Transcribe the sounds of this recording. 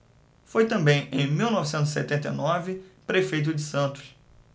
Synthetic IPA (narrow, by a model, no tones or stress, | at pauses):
fojt̪ɐ̃mbẽj̃ẽj̃miwnɔvisẽnt̪zisḛt̪ẽnt̪ejnɔvɪpɾefejt̪̬ʊd͡ʒɪsɐ̃t̪ʊʃ